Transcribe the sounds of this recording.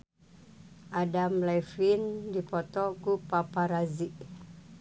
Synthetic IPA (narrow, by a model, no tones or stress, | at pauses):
ʔadamlajfindipɔt̪ɔɡupapaɾaziʔ